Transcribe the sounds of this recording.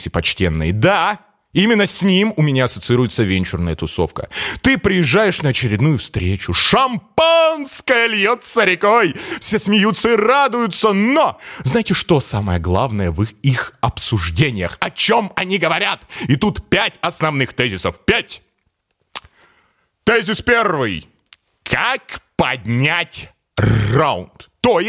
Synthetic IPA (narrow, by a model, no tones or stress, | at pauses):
sʲɪpɐt͡ɕtʲe̞nːɨ̰jd̪a | imʲɪnːəsʲnʲimʊmʲɪnʲaɐsət̪sɨiɾʊjɪt̪səvʲenʲt͡ɕʊrnəjət̪ʊso̞̰fkə̰t̪ɨpɾʲɪjɪʐːajɪʂnəɐt͡ɕɪɾʲɪd̪nujʊfst̪ɾʲet͡ɕʊʂɐmpanskəjəlʲjot̪səɾʲɪkojfsʲesmʲɪjut̪sːəɪrad̪ʊjʊt̪sənoznajɪtʲɪʂt̪o̞saməjəɡlˠavnəjəvɨixɐpsʊʐdʲenʲɪjə̰xɐt͡ɕo̞mɐnʲiɡəvɐɾʲat̪ɪt̪ut̪pʲætʲɐsnɐvnɨxt̪ɛzʲɪsəfpʲætʲ | t̪ɛzʲɪspʲervɨj | kʰakpɐdʲnʲætʲ | ra̰ʊ̰nt̪ː | oj